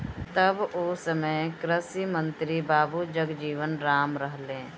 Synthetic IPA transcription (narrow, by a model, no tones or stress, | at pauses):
t̪ɐboːsəməjkɾəsimə̃nt̪ɾibaːbud͡ʒəɡd͡ʒiːʋənɾaːmɾəɦlẽː